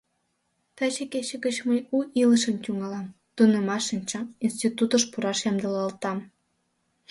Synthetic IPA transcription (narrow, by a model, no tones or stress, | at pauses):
t̪ɑt͡ɕeket͡ɕəɡət͡ɕməjuʔiləʃəmtʲuŋɑlɑm | t̪unemɑʃənʲt͡ɕɑinst̪it̪ut̪əʃpuɾɑʃjɑmd̪əlɑlt̪ɑm